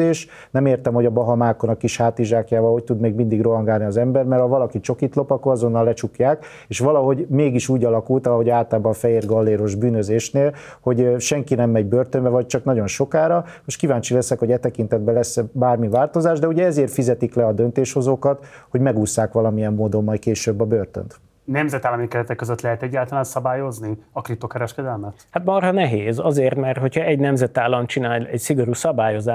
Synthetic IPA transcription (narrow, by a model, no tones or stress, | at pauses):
eːʃ | nɛmeːrt̪ɛmho̞ɟɒbɒɦɒmaːko̞nɒkːiʃhaːt̪iʒaːkjaːvɒlho̞c̚t̪ud̪meːɡmind̪iɡro̞ɦɒŋɡaːlniɒzɛmbɛrmɛrhɒvɒlɒkit͡ʃo̞kit̪lo̞pɒkːoɾɒzo̞nːɒlːɛt͡ʃukjaːk | eːʃʋɒlɒɦo̞ɟmeːɡiʃuːɟɒlɒkult̪ɒlɦo̞ɟaːt̪aːbɒfɛɦeːrɡɒlːeːɾo̞ʒbyːnøzeːʃneːl | ho̞ɟʃɛŋkinɛmːɛɟbørt̪ømbɛvɒc̚t͡ʃɒknɒɟo̞nʃo̞kaːɾɒ | eʃkivaːɲt͡ʃilɛsɛkho̞ɟɛt̪ɛkint̪ɛd̪̚bɛlɛsbaːrmivaːlt̪o̞zaːʒd̪ɛuɟɛɛzeːrt̪fizɛt̪iklɛɒd̪ønt̪eːʃho̞zoːkɒt̪ho̞ɟmɛɡuːsːaːkʋɒlɒmijɛmːoːd̪o̞mːɒjkeːʃøːbːɒbøːrt̪ø̰nt̪ | nɛmzɛt̪aːlːɒmikɛlɛt̪ɛkːøzøt̪lɛɦɛt̪ɛɟːaːlt̪ɒlaːnsɒbaːjo̞zniɒkrip̚t̪ːokɛɾɛʃkɛd̪ɛlmɛt̪hat̪mɒrɦɒnɛɦeːzɒzeːrt̪mɛrt̪ho̞chɒɛɟnɛmzɛt̪aːlːɒmt͡ʃinaːlɛcsiɡo̞ɾuːsɒbaːjo̞zaː